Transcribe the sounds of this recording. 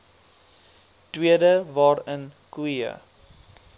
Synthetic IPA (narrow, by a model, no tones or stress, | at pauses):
twiədəvɑːɾənkwiə̰